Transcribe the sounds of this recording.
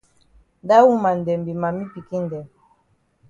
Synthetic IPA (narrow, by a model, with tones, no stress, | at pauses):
nda˦wu˦ma˨n˨dɛ˨mbi˨ma˨mi˦pi˨ki˦ndɛ˨